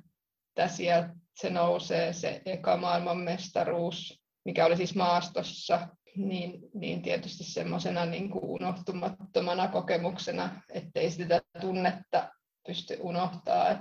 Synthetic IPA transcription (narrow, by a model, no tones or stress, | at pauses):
et̪ːæsiælt̪senouseːsḛʔekɑ̰mɑːilmɑmmest̪ɑruːs | mikæolisismɑːst̪osːɑ | niːnnḭːnt̪iet̪yst̪issḛmːosenɑniːŋkṵʔʔṵnoht̪umɑt̪ːomɑnɑkokemuksenɑet̪ːeisit̪æt̪unːet̪ːɑ | pyst̪y̰ʔunoht̪ɑ̰ːet̪